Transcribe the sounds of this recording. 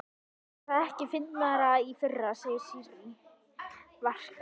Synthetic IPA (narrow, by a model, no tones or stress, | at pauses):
θaðɛhcɪfɪnːmaɾaifʏrːasɛ̥siɾ | var̥k